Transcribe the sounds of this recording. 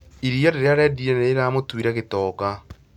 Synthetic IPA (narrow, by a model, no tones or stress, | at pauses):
iɾiɔɾeɾeaɾɛdiɛneːɾamotwiɾaɣetɔːka